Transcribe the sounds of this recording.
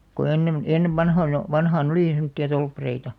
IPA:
ko enːem enːeʋ ʋɑnhoinɑ ʋɑnhɑːn oliˑ semŏtːiɑ tolpːɑreitɑ

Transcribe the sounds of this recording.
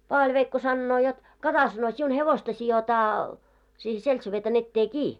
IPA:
pɑːʋɑlʲʋeikːo sɑnːoː jot kɑtɑ sɑno siun heʋostɑ sijotɑː siːhe seltseʋeːtɑn etːeː kiː

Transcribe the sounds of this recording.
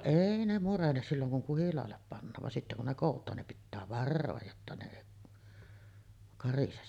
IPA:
eˑi ne murenes silːoŋ kuŋ kuhilɑːlːep pɑnːɑːʋ ʋɑn sitːe kun ne koˑutˑɑːn nim pitːæː ʋɑrːoːj jotːɑ ne eˑi kɑrises

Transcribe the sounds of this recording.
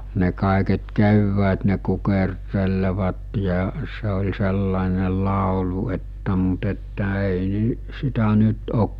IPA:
ne kɑˑeket kewːæːt ne kukerteleʋɑt jɑ se olʲ selːɑˑene lɑˑolu etːæ mut etːæ eˑi ni sitæ nyt ok

